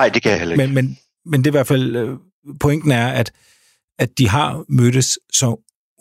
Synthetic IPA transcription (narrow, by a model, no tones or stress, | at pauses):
ɑɪd̥e̝kʰæjahel̰ɐemenmen | mend̥e̝ʋæɐ̰̥fæl̰ | pʰo̽eŋ̰d̥n̩æɐæd̥ | ædd̥iɦɑ̈mød̥əssɒ̽